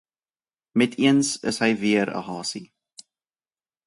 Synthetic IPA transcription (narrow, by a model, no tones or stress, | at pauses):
mɛtʰiənsəsɦəjviəɾə̰ɦɑːsi